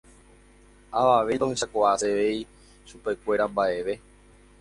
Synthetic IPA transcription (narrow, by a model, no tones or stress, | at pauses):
aʋaʋed̪õeʃakoaseʋei | ʃupe̞kʷe̞ɾambaʔe̞ʋe̞